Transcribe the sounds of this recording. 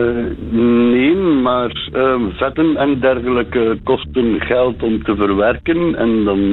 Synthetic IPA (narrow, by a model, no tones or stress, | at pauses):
neːnmaːrəvɛtənɛndɛrɣələkəkɔstənɣɛlˠtɔmtəvərʋɛrkənɛ̰ndɑn